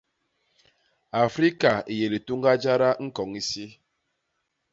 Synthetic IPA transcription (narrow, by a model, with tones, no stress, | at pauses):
a˨fɾi˦ka˨i˨je˨li˨tu˦ŋɡa˦d͡ʒa˦ɾa˦ŋ̩˦kɔ˨ŋi˦si˦